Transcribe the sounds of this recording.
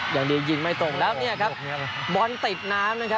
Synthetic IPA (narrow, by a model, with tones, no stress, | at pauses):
jaː˨˩ŋdi˧wji˧˩nma˥˩jt̪o˨˩ŋlɛː˦˥wni˥˩ɐkʰa˦˥p̚bɔ˨˧˥nt̪i˨˩t̪̚naː˦˥mnaː˦˥kʰa˦˥